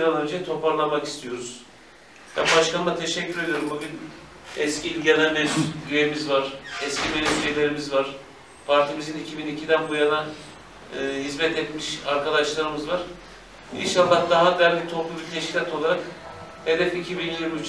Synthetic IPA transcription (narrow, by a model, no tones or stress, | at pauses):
ɾanønʲd͡ʒɛt̪ʰo̞pʰaɾlˠamaki̥st̪ʰijo̞ɾuz̥ | b̥æ̰nbaʃkʰanɯmˠat̪ʰe̞ʃɛcːyɾe̞d̪ijo̞ɾumbubi | ɛscʰiːlʲɟelʲæmɛzyɾeimizvaɾ̥ɛscʰimelʲifʃejlʲe̞ɾimizvaɾ̥ | pʰaɾt̪ʰimizinicʰibinicʰid̪ænbujanaː | ɦizmɛt̪ʰɛt̪miʃaɾkad̪aʃlˠaɾɯmɯzvaɾ̥ | ḭnʃalˠːahd̪aɦabælʲdʲit̪ʰo̞plˠubit̪ʰɛʃcʰilʲat̪ʰo̞lˠaɾak | he̞d̪ɛficʰibinilʲiyt͡ʃ